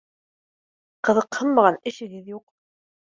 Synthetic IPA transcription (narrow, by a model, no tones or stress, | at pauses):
qɤ̆ðɤqhɤnˠmɑʁɑnɘ̆ʃɘ̆ɡɘðjuq